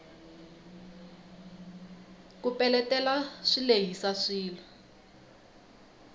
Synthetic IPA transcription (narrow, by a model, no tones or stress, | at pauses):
kupɛlɛtɛlaʂileɦisaʂiːla